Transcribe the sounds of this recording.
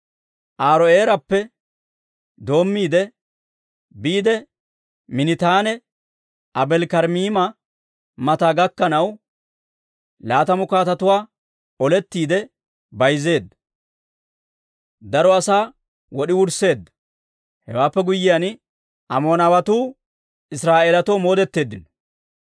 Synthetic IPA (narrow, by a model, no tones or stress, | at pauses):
ʔaːɾɔeːɾɐpːɛ | d̪o̞ːmːiːd̪ɛ | biːd̪ɛ | mɪnɪt̪aːnɛ | ʔɐbɛlkɐɾmiːmɐ | mɐt̪aːɡɐkːɐnɐw | laːt̪ɐmʊkaːt̪ɐt̪ʊwaː | ɔlɛt̪ːiːd̪ɛ | bɐjze̞ːd̪ːɐ | d̪ɐɾɔɐsaː | wɔɗɪwʊɾse̞ːd̪ːɐ | hɛ̰waːpːɛɡʊjːɪjan | ʔɐmo̞ːnɐwɐt̪uː | ɪsɾaːʔeːlɐt̪ɔmo̞ːd̪ɛt̪ːe̞ːd̪ːɪn